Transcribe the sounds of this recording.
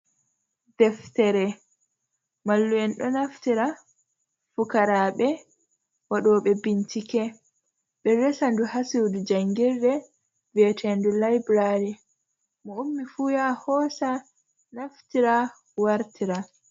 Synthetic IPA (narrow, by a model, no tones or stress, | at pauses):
dɛftɛɾɛ | malːuɛnɗɔnaftiɾa | fukaɾaɓɛ | waɗɔɓɛbintikɛ | ɓɛvɛsanduhasiwdud͡ʒaŋɡiɾdɛ | vɛtʰɛndulajbɾaɾi | mɔumːifujahɔsa | naftiɾa | waɾtʰiɾa